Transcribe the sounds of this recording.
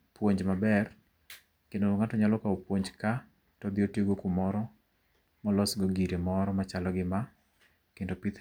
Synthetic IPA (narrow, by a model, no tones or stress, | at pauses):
pwoɲd͡ʒmabɛr | kendoŋatɔɲalɔkaopwoɲd͡ʒka | tɔd̪ɪotioɡokumɔɾɔ | mɔlɔsɡɔɡiɾemɔɾɔmat͡ʃalɔɡɪma | kendopit̪